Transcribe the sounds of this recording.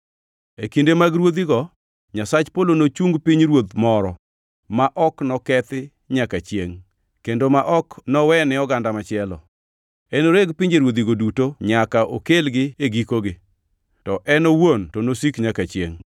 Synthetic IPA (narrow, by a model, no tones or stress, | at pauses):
ekindemaɡɾwod̪iɡɔ | ɲasat͡ʃpolonot͡ʃuŋɡpiɲɾwod̪mɔɾɔ | maʔɔknɔkɛt̪ɪ | ɲakat͡ʃjeŋ | kendomaʔɔknɔwɛnɪɔɡandamat͡ʃɪɛlɔ̰ | ɛnoɾeɡpiɲd͡ʒeɾwod̪iɡodutoɲakaʔo̰kelɡɪeɡikoɡɪ | tɔʔɛnowontɔnosikɲakat͡ʃjḛŋ